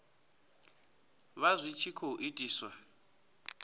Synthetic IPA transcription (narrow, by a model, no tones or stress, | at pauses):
βazʷit͡ʃʰikʰoʔitʼiːswa